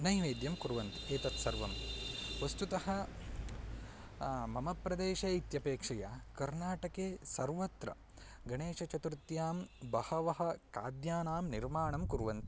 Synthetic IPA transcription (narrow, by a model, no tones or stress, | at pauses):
nɐjʋeːd̪jɐmkuɾuʋɐnt̪i̥eːt̪ɐt̪sɐɾʋɐmʋɐst̪ut̪ɐhɐ | mɐmɐpɾɐd̪eːʃɐit̪jɐpeːkʂɐjakɐɾnaːʈɐkeːsɐɾʋɐt̪ɾɐ̰ | ɡɐɳeːʂɐt͡ʃɐt̪ɾut̪jaːmbɐhɐʋɐɦɐ̆kaːd̪jaːnaːmniɾmaːɳɐmkuɾʋɐnt̪i̥